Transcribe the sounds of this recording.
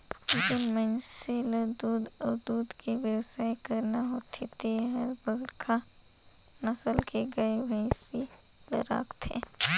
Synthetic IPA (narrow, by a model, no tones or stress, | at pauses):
d͡ʒɪnmənseləd̪uːd̪ɔːɾd̪uːd̪kʰeʋjəwsaːikəɾnaɦot̪ʰet̪eɦəɾbəɡɾkʰa | nɐsəlkʰeɡɐeʋɐĩsi | lə̰ɾa̰ːkt̪ʰḛ